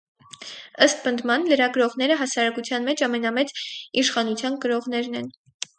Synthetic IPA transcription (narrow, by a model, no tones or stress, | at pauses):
əst̪pənd̪mɑnləɾɑɡɾɔʁnɛɾəɦɑsɑɾɑkut͡sʰjɑnmɛt͡ʃʰɑmɛnɑmɛt͡siʃχɑnut͡sʰjɑnkəɾɔʁn̪ɛɾnɛn